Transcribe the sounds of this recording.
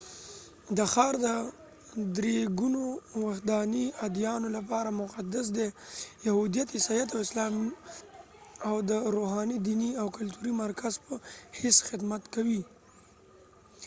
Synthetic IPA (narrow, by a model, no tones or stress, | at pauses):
d̪əxɑɾd̪ə | d̪ɾeɡunowaxd̪ɑniad̪jɑnolapɑɾamʊqad̪as̬d̪ejahud̪ijat̪hɪsajat̪awɪslɑm | awd̪əɾoɦɑnid̪iniawkʊlt̪uɾimaɾkazpəhesxɪd̪mat̪kawi